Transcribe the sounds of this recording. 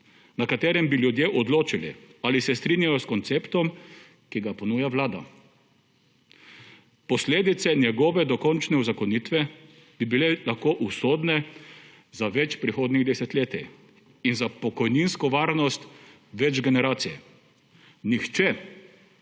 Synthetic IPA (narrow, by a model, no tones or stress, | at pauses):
nakat̪ɛːɾɛmbiljud̪jeʔɔd̪loːt͡ʃilḭaːlisɛst̪ɾinjajɔskɔnt̪seːpt̪ɔm | kiɡapɔnuːjaʋlaːd̪a̰ | pɔsleːd̪it̪sɛnjɛɡɔːʋɛd̪ɔkɔnt͡ʃnɛuzakɔnit̪ʋɛ | b̥ibilɛlaxkoːʔusoːd̪nɛ | zaʋɛt͡ʃpɾixoːd̪niɣd̪ɛsɛt̪lʲeːt̪i | inzapɔkɔjninskɔʋaːɾnɔst̪ | ʋɛd͡ʒɡɛnɛɾaːt̪sijɛ | nixt͡ʃɛ